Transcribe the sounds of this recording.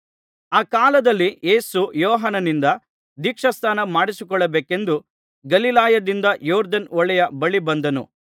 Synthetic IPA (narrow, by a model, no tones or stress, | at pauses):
aːkaːlɐd̪ɐlːije̞ːsujɔːɦɐnɐnind̪ɐ | d̪iːkʂɐst̪ʰaːnɐmaːɽisikɔɭːɐbeːke̞nd̪u | ɡɐlilaːjɐd̪ind̪ɐjɔːɾd̪ɐnɔɭɛjɐbɐɭibɐnd̪ɐnṵ